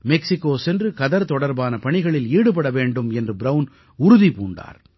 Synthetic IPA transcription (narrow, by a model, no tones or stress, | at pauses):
mɛksɪkːoːsɛndrɯkɐðɐɾt̪ɔɽɐɾbaːnɐpɐɳɪɣɐɭɪliːɽɯpɐɽɐʋeːɳɖɯmɛndrɯbɾɐʋn | ʊɾʊðipuːɳɖa̰ːɾ